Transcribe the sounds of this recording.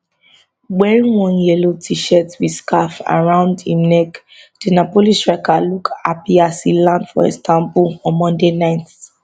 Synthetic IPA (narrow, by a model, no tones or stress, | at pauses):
wɛɹĩwɔ̃njɛlotʰiʃɛtwiskafa̰ɹãʊ̃ndĩmnɛk | d̥inapolisɹɛkalukʰapiasilãndfɔ̰ɛ̰stãmbuɔ̃nmɔ̃ndenãɪ̃nt